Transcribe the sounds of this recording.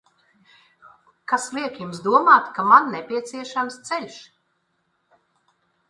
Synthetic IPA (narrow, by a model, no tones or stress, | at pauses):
kaslˠiɛkjumsd̪uɔmaːt̪kamanːɛpʲiɛt̪siɛʃamst̪sɛlʲʃ